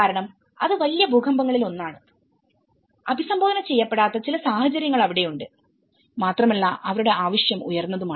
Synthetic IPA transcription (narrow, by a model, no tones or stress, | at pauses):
aːɾɐɳɐm | ɐ̰ðɨʋɐlijɐbʱuːkʰɐmbɐŋːɐɭilo̞nːaːɳɨ | ɐbʱisɐmbʱoːɐnɐt͡ɕejːɐpːe̞ɽaːt̪ːɐt͡ɕilɐsaːhɐt͡ɕɐɾjɐŋːɐɭɐʋiɽe̞juɳɖɨ | maːt̪rɐmɐlːaʔɐʋɐɾuɽe̞aːʋɐʂjɐmujɐrnːɐðumaː